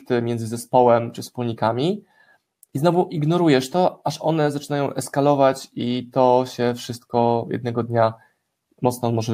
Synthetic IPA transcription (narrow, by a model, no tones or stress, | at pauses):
t̪ɘmʲjɛnzɘzɛspɔwɛmt͡ʂɘfspulɲikamʲi | iznɔvuʔiɡnɔɾujɛʂt̪ɔaʂɔnɛzat͡ʂɘnajɔ̃w̃ʔɛskalɔvat͡ɕit̪ɔɕɛfʂɘst̪̚kɔjɛ̰d̪̚nɛɡɔd̪ɲa | mɔt̪snɔmɔʐɛ